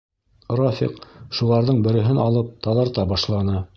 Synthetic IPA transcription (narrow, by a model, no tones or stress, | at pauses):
rofʲḭqʃulˠɑɾðɤɴbɘ̆ɾɘ̆ɦɘnɑlˠɤp̚t̪ɑðɑɾt̪ɑbɑʃlˠɑnɤ